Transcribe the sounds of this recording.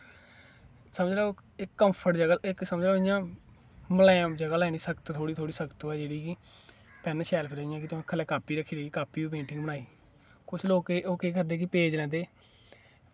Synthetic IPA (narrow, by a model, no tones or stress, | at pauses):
səməd͡ʒlɛːɪkːəmpʰəʈd͡ʒəɡəlɪksəməd͡ʒlɛɪjãː | məlãːd͡ʒəɡaːlɛːñiːsəkət̪t̪ʰoːɽiːt̪ʰoːɽiːsəkt̪oːɛːd͡ʒeːɽiːki | pɛnʃɛːlpʰɪɾaːɪjãːkɪt̪ʊẽːkʰəlɛːkaːpiːɾəkʰːiːɾikaːpiːiːp̬ẽːɳʈɪ̃ŋɡbəɽ̃aːiː | kʊt͡ʃʰloːkeoːkeːkəɾd̪eːkipeːd͡ʒlɛ̃ːnd̪eː